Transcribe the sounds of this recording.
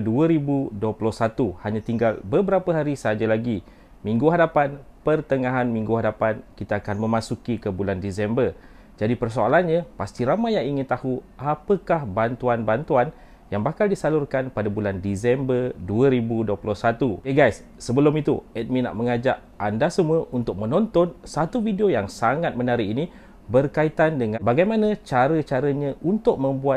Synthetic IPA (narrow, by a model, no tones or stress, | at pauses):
duəɾibuduəplɔhsat̪uhaɲãt̪iŋɡalbəbəɾapəɦaɾisəɦad͡ʒalaɡi | mĩŋɡuɦadapan | pərt̪əŋãɦanmĩŋɡuɦadapankit̪aːkanmə̃mãsukikəbulandisɛmbər | d͡ʒadipərs̬oalanɲãpast̪iɾamajaŋiŋɪnt̪ahuʔapəkahbant̪uanbant̪uan | jaŋbakaldisalʊrkanpadabulandisɛmbərduəɾibuduəplɔhsat̪ueɡajsːəbəlʊmit̪ṵɛt̪̚mina̰ʔməŋad͡ʒaʔ | andasəmuəʔunt̪ʊk̚mə̃nɔnt̪ɔnsat̪uvideojaŋsaŋat̪̚mənaɾiʔini | bərkait̪andəŋãbaɡajmanãt͡ʃaɾət͡ʃaɾəɲaʔunt̪ʊk̚mə̃mbua